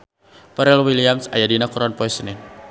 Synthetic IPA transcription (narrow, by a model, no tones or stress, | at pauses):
paɾɛlwiliamsa̰jadinakuɾɔnpɔjsənɪn